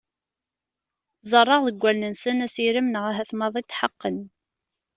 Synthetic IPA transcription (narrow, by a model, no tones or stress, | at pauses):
zˤərˤːɑʁðəɡʷːælnənsənæsiɾimnʁæɦæθmɑðˤit̪ːħəqːən